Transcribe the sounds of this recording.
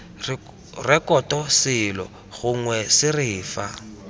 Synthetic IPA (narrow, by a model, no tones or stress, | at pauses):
rɛkɔtɔsɪlɔ̰ | ɣʊŋwɛsɪrɪːfa̰